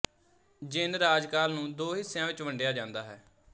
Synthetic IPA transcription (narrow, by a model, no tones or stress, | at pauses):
d͡ʒɪnɾaːd͡ʒkaːlnũːd̪oːɦɪsːjãːʋɪt͡ʃʋəɳɖjaːd͡ʒãːnd̪aːɦɛː